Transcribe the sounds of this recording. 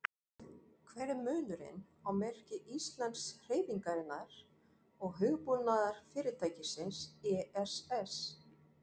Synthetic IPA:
kʰvɛːɾɪmʏːnʏɾɪ̰n | awmɛr̥cɪʔist̪lant̪sr̥eːjviŋkaɾɪnːaɾ̥ | ɔɣɦʏɣpunːaðaɾ̥fɪːɾɪt̪ʰaːjcɪsɪnsɛːɛsɛs

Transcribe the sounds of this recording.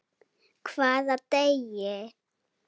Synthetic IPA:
kʰfazat̪ɛjɛ

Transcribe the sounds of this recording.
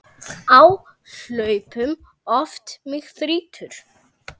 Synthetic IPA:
awsœːɥpʏm | ɔft̪mɪɣθɾiːt̪ʰʏɾ̥

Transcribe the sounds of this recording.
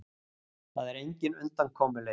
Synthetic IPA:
θaðɛɾejɲcɪnʏnt̪ankʰɔːmʏle

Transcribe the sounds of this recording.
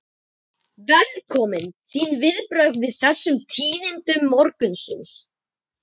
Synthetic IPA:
vɛlkʰɔːmɪnθiːnvɪðpɾœɥɣvɪðθɛsːʏmt̪ʰiːnɪnt̪ʏmːɔɾkʏnsʏns

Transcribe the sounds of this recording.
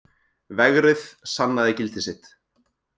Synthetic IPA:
vɛɣɾɪðsanːaðɪcɪlt̪ɪsɪt̪

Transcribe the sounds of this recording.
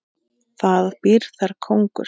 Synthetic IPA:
θaðpiɾ̥θaɾ̥kʰowŋkʏ̰ɾ

